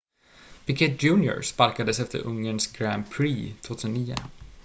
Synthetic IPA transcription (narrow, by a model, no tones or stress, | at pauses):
b̥ɪkɪt̪̚d͡ʒʉːnjʊ̰ɾspalkad̪əsɛft̪ə̰ɾʔɵŋːəɳsɡɾænd̪̚pʰɾiːt̪ʰvoːt̪ʰʉsəniːʊ̰